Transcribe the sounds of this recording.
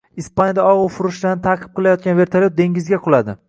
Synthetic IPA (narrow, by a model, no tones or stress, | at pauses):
ispanʲjad̪aɒʁʊfʊɾʊʃd̪anɪt̪ʰaqʰɨp̚qʰɨlajɒt̪̚kʲanve̞ɾt̪ʰaljot̪̚d̪e̞ŋɡʲɪzɡʲaqʰʊlˠad̪ɪ